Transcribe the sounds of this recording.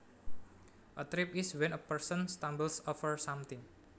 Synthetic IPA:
ʔət̪ɾipiswɛ̃nəpəɹsɔnst̪ãmbəlsɔfəɹsamt̪ɪ̃ŋ

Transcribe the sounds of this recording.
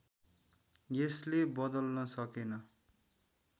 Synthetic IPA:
jeslebʌd̪ʌlnʌsʌkenʌ

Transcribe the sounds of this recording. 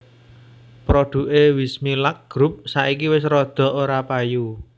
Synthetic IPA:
pɾɔɖ̪̥ṳʔewismilak̚ɡ̥ɾup̚saʔikiwɪsɾɔd̪̥ɔ̤oɾapaju

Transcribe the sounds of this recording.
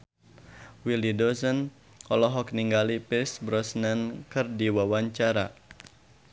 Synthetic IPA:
wilidɔsɔn | kɔlɔɦɔk̚niŋɡalipɪsbɾɔsnankɨrdiwawaɲt͡ʃaɾa

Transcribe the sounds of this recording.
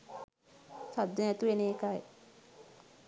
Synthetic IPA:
sad̪ːenɛt̪uʋeneːkaj

